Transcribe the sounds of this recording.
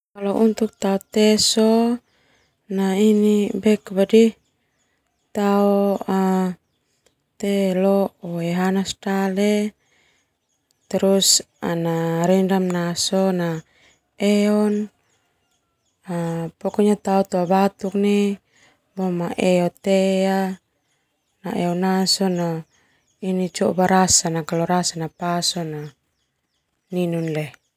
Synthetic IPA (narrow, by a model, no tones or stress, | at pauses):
kalɔʔunt̪uk̚t̪aut̪ɛso | nainibɛkbadi | t̪aoa | t̪elɔoeɦanastale | t̪ɛɾus | a̰naɾɛndamnasɔna | eɔn | apɔkɔɲat̪aut̪uabat̪uk̚ni | bɔmaʔeɔt̪ea | naʔɛɔnasɔna | init͡ʃɔbaɾasanakalɔɾasanapasɔna | ninunlɛ